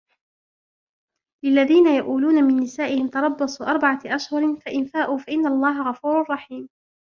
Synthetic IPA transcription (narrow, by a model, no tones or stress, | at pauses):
lɪlːaðiːnajaʔuːluːnamɪnːɪsaːʔɪhɪmt̪ɑɾˤɑbːɑsˤuːʔɑɾˤbaʕaʔaʃhʊɾfaʔɪnfaːʔuːfaʔɪnːalˤːɑːɦaɣɑfuːɾɑrˤːɑħiːm